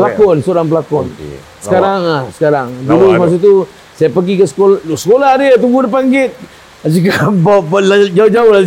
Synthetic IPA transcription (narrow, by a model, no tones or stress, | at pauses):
pəlakɔnsoɾaŋpəlakɔn | səkaɾaŋlahsə̥kaɾaŋdulumas̬ut̪̬u | sajapəɡikəsə̥kolloʔsə̥kolaɦdəat̪uɡudəpaŋɡɪt̪̚ | as̬ikabablad͡ʒaʊd͡ʒaʊhla